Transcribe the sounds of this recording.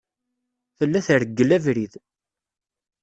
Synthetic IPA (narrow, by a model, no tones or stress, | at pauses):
θəlːæθəɾəɡːəlævɾið